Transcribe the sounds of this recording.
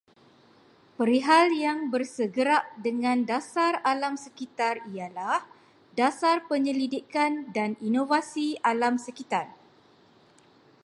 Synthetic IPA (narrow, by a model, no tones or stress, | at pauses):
pəɾiɦaljaŋbərsəɡəɾaʔdəŋãndasaralamsəkit̪arijalah | dasarpəɲəlidikandaninovasialamsəkit̪ar